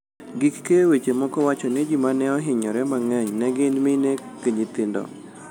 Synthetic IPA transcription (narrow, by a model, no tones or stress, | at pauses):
ɡɪkːewet͡ʃemɔkɔwat͡ʃɔnɪd͡ʒimanɛɔɦɪɲɔɾɛmaŋɛɲnɛɡɪnmɪnekeɲɪt̪ɪndɔ̰